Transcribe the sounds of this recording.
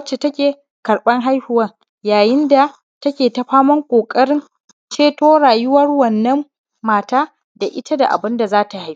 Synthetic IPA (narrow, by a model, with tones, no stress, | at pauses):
t͡ʃːe˨tɐ˦kʲeː˨ | kɐ˨ɽɓɐ˦ŋɦa˦jhʊ˨wɐ˦ŋ | jaː˨jɪ˦nda˨ | tɐ˦kʲeː˨tɐ˦ɸaː˦mɐ˦ŋkʷʼoː˨kʼɐ˦ɽɪ˦n | t͡ʃeː˦toː˦ɽaː˨jʊ˦wɐ˦rwɐ˨nːɐ˦mː | aː˨taː˦ | da˨ʔɪ˦ta˦da̰˨ʔa̰˨bɪ˦nda˨zaː˦ta˨ha˦j